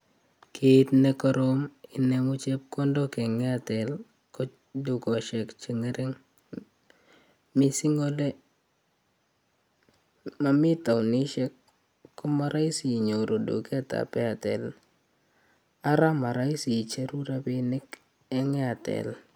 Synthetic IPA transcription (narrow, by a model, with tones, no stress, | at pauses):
kʰɪ˦t̚nɛ˦kɔ˦ɾo˦mɪ˦nɛ˦ŋʊ˦t͡ʃɛ˦p̚kɔ˦ndɔ˦kɛ˨ŋɛ˦a˨tɛ˨l | kɔ˦ | du˨kɔ˨ʃɛ˨kt͡ʃi˨ŋe˦ɾɪ˦ŋ | mɪ˦si˦ŋo˦dɛ˦ | ma˨mɪ˦ta˨wni˦ʃɛ˦kː | ɔ˦ma˦ɾa˦i˦si˨ɲo˨ɾo˨do̰˨kːta̰˨pɛ˦a˨tɛ̰˨l | a˦ɾa˦ma˨ɾa˦i˦si˨t͡ʃɛ˦ɾu˦ɾa˦pɪ˦nɪ˦k | ɛ˦ŋɛ˦a˨tɛ̰˨l